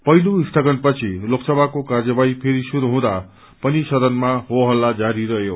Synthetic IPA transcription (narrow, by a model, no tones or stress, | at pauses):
pʌiloisʈ̪ʰʌɡʌnpʌt͡sʰiloksʌbʱakokard͡zʌbaipʰeɾisuɾuɦũd̪a | pʌnisʌd̪ʌnmaɦoɦʌlːad͡zaɾiɾʌjo